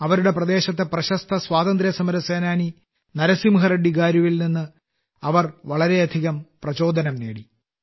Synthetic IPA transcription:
ɐʋɐɾuɽe̞prɐd̪e̞ːɕɐt̪̬ːe̞prɐɕɐst̪ʰɐsʋaːd̪ɐnd̪ɾjɐsɐmɐɾɐseːnaːni | nɐɾɐsimɦɐrɐɖːiɣaːɾjuʋilninːɨ | ɐʋɐrʋɐɭɐɾe̞ɐd̪ʱiɣɐmprɐt͡ɕo̞ːd̪ʱɐnɐmnḛːɽi

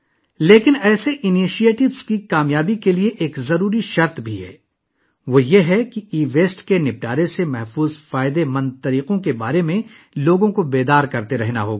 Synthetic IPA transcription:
leːkɪnɛːseʔɪniːʃieːʈɪʋz̥kikaːmjaːbikelieʔeːkzɐɾuːɾiʃɐɾt̪bʱiɦɛ̰ː | ʋojeɦɛkiiːʋeːsʈkenɪp̚ʈaːɾesemɛɦfuːzfaːɪd̪emɐ̃nd̪̚t̪ɐɾiːqõkeba̰ːɾemẽ | loːɡõkobeːd̪aːɾkɐɾt̪eɾɛɦnaɦoːɡa

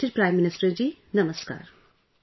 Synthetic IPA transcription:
ʈiɾpɾaːɪmːɪnɪsʈəɾd͡ʒiːnɐməska̰ːɾ

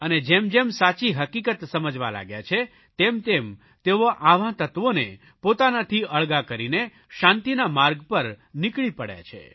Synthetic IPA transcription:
əned͡ʒemd͡ʒemsat͡ʃiɦəkikət̪səməd͡ʒʋa̰la̰ɡja̰t͡ʃʰe | t̪emt̪em | t̪eoʔaʋãt̪ət̪ʋone | pot̪anat̪ʰiəɭɡakəɾine | ʃant̪inamaɾɡpəɾnikɭipəɽja̰t͡ʃʰḛ

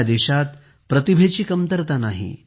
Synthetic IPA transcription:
d̪eɕat̪ | pɾət̪ibʱet͡ɕiːkəmt̪əɾt̪anaɦḭ

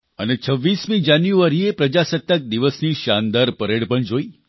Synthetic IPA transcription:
ə̰net͡ʃʰəʋːismĩd͡ʒanjuaɾiepɾəd͡ʒasət̪ːək̚d̪iʋəsniʃand̪aɾpəɾeɽpəɳd͡ʒoi

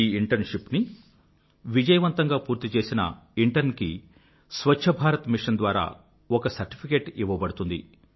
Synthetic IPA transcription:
iːiɳʈɐɾnʂipni | ʋid͡ʒɐjɐʋɐnt̪ɐŋɡaːpuːɾt̪it͡ʃe̞ːsinɐ̰ | iɳʈɐɾnki | sʋɐʃʰɐbʱaːɾɐt̪miʂɐnd̪ʋaːɾa̰ː | ɔkɐsɐɾʈi̥pʰikeːʈiʋːɐbɐɽut̪und̪ḭ

